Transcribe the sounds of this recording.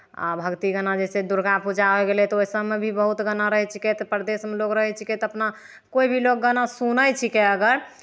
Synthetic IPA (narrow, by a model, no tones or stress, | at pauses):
a̰bʱəɡt̪iɡənad͡ʒɛsed̪uɾɡapud͡ʒaɦoɡelɛt̪ɔoisəmːebʱibəɦut̪ɡənaɾəɦɛt͡ʃʰikɛt̪ɔpɾd̪esmelokɾəɦɛt͡ʃʰikɛt̪ɔəpna | koibʱilok̚ɡənasunəjt͡ʃʰikeəɡəɾ